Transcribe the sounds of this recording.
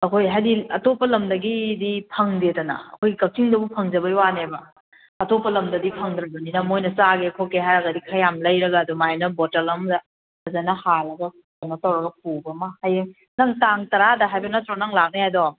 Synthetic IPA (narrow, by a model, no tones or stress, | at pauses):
ɐkʰojɦajdiɐtopɐlɐmdɐɡidipʰɐŋdedɐnɐ̰ɐ̰kʰojɡikɐk̚tʰiŋdɐbupʰɐŋd͡ʒɐbɐiwanebɐ | ɐtopːɐlɐmdɐdipʰɐŋdɾɐɡɐninɐmojnɐsaɡekʰokeɦajɾɐɡɐdikʰɐjamlɐjɾɐɡadɔmajnɐbotɐlɐmdɐ | ɐzanɐhalɐɡɐ | anɐtɐwɾɐɡɐk̚ubɐmɐhajeŋ | nɐŋtaŋtɐɾadɐɦajbɐnɐt̪ɾɔnɐŋlak̚niajdɔ